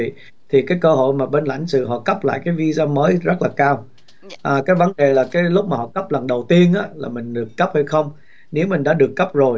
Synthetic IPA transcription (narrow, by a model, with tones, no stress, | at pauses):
ḭ˧˨ | t̪ʰi˨˩kaː˨˦jkəː˧ɦo̰˧˨jmaː˨˩ɓe˧nla̰˧˩jŋ̟sɨ̰˧˨ɦɔ̰˧˨kə˦˥p̚la̰ː˧˨jkaː˨˦jvi˧zaː˧məː˨˦jzə˦˥t̚laː˨˩kaː˧w | ʔːkaː˨˦jvə˨˦nɗe˨˩laː˨˩kaː˨˦jlʊ˦˥k͡p̚maː˨˩hɔ̰˧˨kə˦˥p̚lə˨˩ŋɗə˨˩wt̪i˧ənʔaː˨˦laː˨˩mï˨˩ŋ̟ɗɨ˨˩əkːə˦˥p̚hə˧jxə˧wŋ͡m | ne˨˦wmï˨˩ŋ̟ɗa̰ː˧˥ɗɨ˨˩əkːə˦˥p̚zo˨˩j